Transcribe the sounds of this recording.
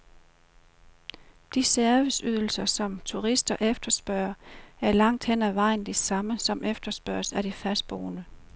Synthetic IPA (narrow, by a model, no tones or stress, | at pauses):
d̥isæɐʋəsyð̞ˠl̩sɐsɒ̽mt͡sʰuʁisd̥ɐʔefd̥ɐsb̥ɶɐæɐlɑ̈ŋ̰d̥hen̰æʋɑ̈ɪ̰n̩d̥isɑ̈məsɒ̽mʔefd̥ɐsb̥ɶ̰ɐ̰sæɾ̥ifæsd̥̚b̥oːnə